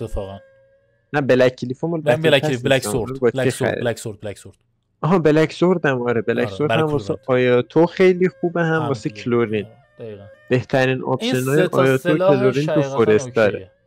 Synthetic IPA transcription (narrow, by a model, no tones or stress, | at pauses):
næbelæcʰːilifomolbæeɒmbɒt͡ʃexæ̰ɾ̰ | ʔɒɦɒːbelæksoɾd̪æmɒɾebelækz̥oɾdd̪æmvɒːseɒːjɒːt̪ʰoxe̞jliːxuːbeɦæmvɒːsecʰloɾin | b̥e̞ht̪ʰæɾiːnɒ̰ːbʃenɒːjeʔɒjɒːt̪okʰeloɾint̪ʰufoɾest̪d̪ɒːɾe